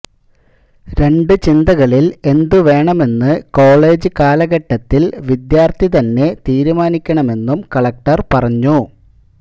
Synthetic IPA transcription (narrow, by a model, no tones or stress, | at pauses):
ɾe̞ɳɖɨt͡ɕind̪ɐɣɐɭile̞nd̪uʋe̞ːɳɐme̞nːɨko̞ːɭe̞ːd͡ʑɨkaːlɐɣɐʈːɐt̪ːilʋid̪jaːrt̪it̪ɐnːe̞t̪iːɾumaːnikʲːɐɳɐme̞nːumkɐɭɐk̚ʈɐrpɐrɐɲːu